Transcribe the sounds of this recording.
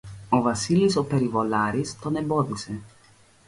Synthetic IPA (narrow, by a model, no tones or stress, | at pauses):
ovɐsilisopeɾivolaɾist̪oneboðuse